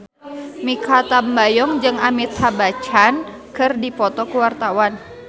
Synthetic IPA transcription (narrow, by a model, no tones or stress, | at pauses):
mikat̪ambajɔŋd͡ʒɨŋamit̪habat͡ʃan | kɨrdipɔt̪ɔkuwart̪awan